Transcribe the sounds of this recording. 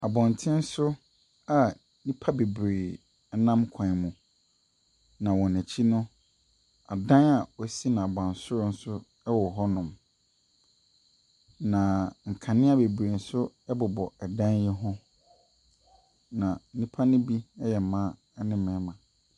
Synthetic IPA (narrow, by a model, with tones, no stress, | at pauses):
a˨bɔ̃˨n˨tʰɪ̃˦n̩˦sʊ˦ | a˨ | nĩ˦pʰa˦be˨bɾeː˨˦ | nã˦mkʷʰã˨mũ˨ | nã˨wɔ̃˨næ˨t͡ɕʰi˦nʊ̃˦ | a˨dã˦na˨wɔ˨si˦nã˨a˨bã˨n̩˨sʊ˦ɾʊ˦n̩˦sʊ˦ | ɛ˦wɔ˨ɦɔ˦nʊ̃˨m | nã˨ŋ̩˨kʰã˨nɪ̃˦a˦be˨bɾe˨n̩˨˦sʊ˦ɛ˦bʊ˨bɔ˨ɛ˨dã˦njɛ˦ɦʊ̃˦ | nã˨˦nĩ˦pʰa˦nʊ̃˦bi˦ɛ˦jɛ˨mã˦ | ɛ˦nɪ̃˦mɛ̃˨˦mã˨